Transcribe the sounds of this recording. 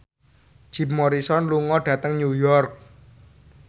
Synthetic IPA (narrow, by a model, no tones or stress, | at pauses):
ʒ̥i̤pmɔɾisɔnluŋɔɖ̥ä̤t̪əŋɲujɔrk̚